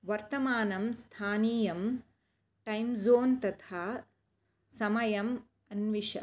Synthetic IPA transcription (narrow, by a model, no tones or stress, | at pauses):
ʋɐɾt̪ɐmaːnɐmst̪ʰaːniːjɐm | ʈɐjmzoːnt̪ɐt̪ʰaː | sɐmɐjɐm | ɐnʋiʃɐ̰